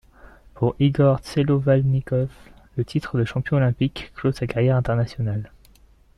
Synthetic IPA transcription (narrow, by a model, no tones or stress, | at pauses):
puʁiɡɔʁselovalnikɔflət̪ʰit̪χəd̪əʃɑ̃pjɔ̃olɛ̃pikːlosakaʁjɛʁɛ̃t̪ɛʁnasjɔnal